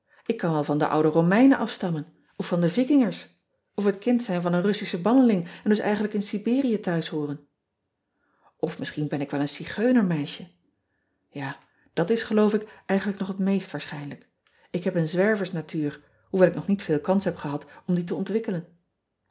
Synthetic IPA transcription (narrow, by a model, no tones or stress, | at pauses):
ɪkːɑnʋɛlˠvɑndə̰ʔʌ̰wdərowmɛjnəʔɑfstɑmən | ɔfːɑndəvɪkɪŋəɹs | ɔfɦətkɪntsɛjnvɑnənrɵsisəbɑnəlɪŋɛndɵsɛ̰jχənləkɪnsibɪːrijətœɥsɦoːrən | ɔfmɪsχinbɛnɪkʋɛlˠənsiχøɥnəɹmɛjʃə | jaː | d̥ɑtɪsχəlowfɪkʔɛjχən̩ləknɔχɦətmejstʋaːɹsχɛjnlək | ɪkɦɛpənzʋɛɹvəɹsnatyːɹ | huʋɛlˠɪk̚nɔχnitfɪːlˠkɑnsɦɛpχəɦɑtɔmdit̬əɔntʋɪkələn